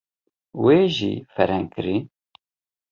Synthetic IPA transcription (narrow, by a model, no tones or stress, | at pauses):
weːʒḭfɛɾɛŋkɨɾi